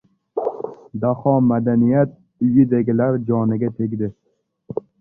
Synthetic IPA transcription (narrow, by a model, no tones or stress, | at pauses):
d̪ahɒmad̪anijat̪̚ | ʊjɪd̪eɡʲɪlaɾd͡ʒɒnɪɡʲat̪ʰe̞ɡʲd̪ɪ